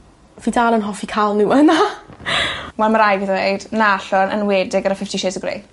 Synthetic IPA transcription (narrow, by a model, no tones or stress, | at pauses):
viːdaːlˠənɦɔfikʰalˠnuəna | wɛlˠmaɾajviðejd̥naɬɔnʔə̰nweːdɪɡaɾafɪftʰiʃezəɡrḛj